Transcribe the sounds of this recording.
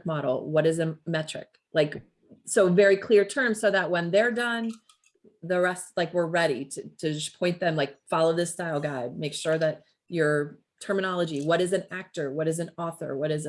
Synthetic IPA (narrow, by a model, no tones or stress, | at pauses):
k̚mɑɾl̩ˠwʌɾɨzɨmɛt͡ʃɹ̥ɨ̰k | laɪk | soʊvɛɹikʰl̥ɪɹtʰɜ̃˞mz̥soʊðət̚wə̃nðə˞dʌ̃n | ðɨɹɛstlaɪkwəɹɹɛɾiɾɨɾɨd͡ʒʌspʰɔ̃ɪ̃nðɨ̃mlaɪkfɑlˠoʊðɪstaɪlˠɡaɪd̚meɪkʃʊɹðɨt͡ʃ | ə˞ | tʰɜ˞mɨñɑlˠəd͡ʒiwʌɾɨzɨ̃næk̚tə˞wʌɾɨzɨ̃nɔθə̰˞wʌɾɨz